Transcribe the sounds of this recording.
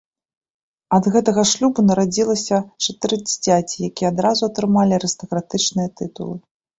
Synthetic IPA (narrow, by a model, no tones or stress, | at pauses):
ɐd̪ɣɛt̪ɐɣɐʂlʲubunɐɾad͡zʲilˠɐsʲɐt͡ʂɐt̪ɨɾɨd͡zʲit͡sʲat͡sʲijakʲijɛad̪ɾazuɐt̪ɾɨmalʲiɐɾɨst̪ɐkɾat̪ɨt͡ʂnɨjɐt̪ɨt̪ṵlˠɨ